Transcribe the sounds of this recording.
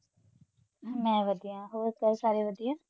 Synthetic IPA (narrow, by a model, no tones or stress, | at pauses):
mɛ̃ːʋəd̪ijãːɦoːɾk̪əɾsaːɾeʋəd̪ijãː